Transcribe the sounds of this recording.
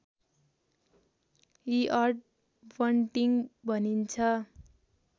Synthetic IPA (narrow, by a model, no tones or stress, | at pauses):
iʔʌrʈ | bʌɳʈiŋbʱʌnint͡sʰʌ